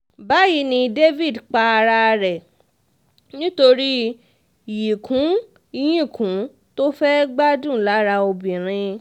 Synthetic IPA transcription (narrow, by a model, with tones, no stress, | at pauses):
ba˨˦ji˨˦nĩ˧de˦vi˦˨dk͡pa˧ɾa˧ɾɛ˨ | nĩ˦to˧ɾi˦ | ji˨kʰũ˨˦ | i˧j̃ĩ˦˨kũ˨˦ | to˦fɛ˦ɡ͡ba˦dũ˦˨˦la˨˦ɾa˧o˧bĩ˨ɾ̃ĩ˧